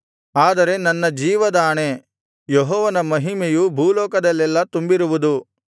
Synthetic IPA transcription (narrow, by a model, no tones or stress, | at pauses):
aːd̪ɐɾe̞nɐnːɐd͡ʒiːʋɐd̪aːɳe̞ | jɔɦɔːʋɐnɐmɐɦimejubʱuːlɔːkɐd̪ɐlːɛlːɐt̪umbiɾuʋud̪u